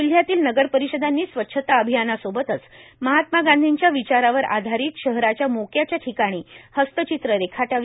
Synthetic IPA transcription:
ul̤jat̪iːlnəɡəɾpəɾiɕəd̪anːiːsʋətːɕʰət̪aəbʱijanasobət̪ət͡sməɦat̪maɡãnd̪ʱiɲt͡ɕjaʋit͡ɕaɾaʋəɾʔa̰d̪ʱaɾiːt̪ɕəɦɾat͡ɕjamokʰjat͡ɕjaʈʰikaɽ̃iːhəst̪ət͡ɕit̪ɾəɾekʰaʈaʋ

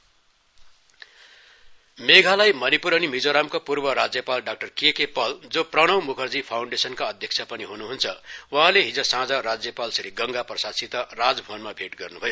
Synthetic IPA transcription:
meɡʱalajmʌnipuɾʌnimid͡zoɾamkopurbʌɾad͡zjʌpalɖak̚ʈʌrkekepʌld͡zoprʌɽ̃ʌwmukʰʌrd͡zipʰawɳɖesʌnkaʌd̪ʱjʌkt͡sʰjapʌniɦunuɦunt͡sʰʌwʌ̃ɦãleɦid͡zʌsãd͡zʌrad͡zjʌpalsʌɾiɡʌŋɡaprʌsasit̪ʌrad͡zbʱonmabʱeʈɡʌrnubʱʌjo

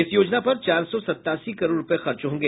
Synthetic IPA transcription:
ɪsjoːd͡ʒnapɐɾt͡ʃaːɾsɔsɐt̪ːaːsikɐɾoːɾʊpexɐɾt͡ʃɦõːŋɡeː

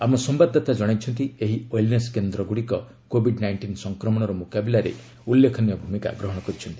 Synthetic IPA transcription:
amɔsɔmbad̪ʱːɔt̪ad͡ʒɔɽ̃ajt͡ʃʰɔnt̪ieɦiojlneskend̪ɾɔɡuɽikɔ | kobʱiɖnajɳʈinsɔŋkɾɔmɔɽ̃ɔɾɔmukabilaɾḛ | ulːekʰɔnjɔbʱumika̰ɡɾɔɦɔɽ̃ɔkɔɾit͡ʃʰɔnt̪ii̥

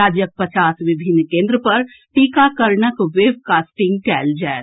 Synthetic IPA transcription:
aːd͡ʒjək̚pɐt͡ʃaːsʋɪbʱɪnːkẽːnd̪ɾəpɐɾ | ʈiːkakɐɾɳəkʋeːbkaːsʈɪ̃ŋɡ̚kɛːld͡ʒɛː

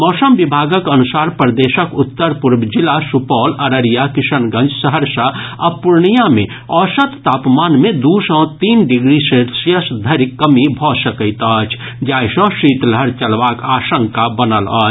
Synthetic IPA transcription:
mɔːsəmʋibʱaːɡəkɐnʊsaːɾpɾəd̪eːʃəkʊt̪ːəɾpuɾbd͡ʒɪlasupɔːlɐɾəɾijakɪsənɡə̃nd͡ʒsəɦəɾsəɐpʊɾɳijamḛ̃ | ɔːsət̪ːaːpmaːnmẽd̪usɔ̃ːt̪iːnɖɪɡɾiseɾsjəsd̪ʱɐɾikːəmibʱɔːsəkəɪt̪ɔːt͡ʃʰ | d͡ʒaːjsɔ̃ʃiːt̪ləɾt͡ʃɐlʋaːkaːʃəŋkabənəlɔː

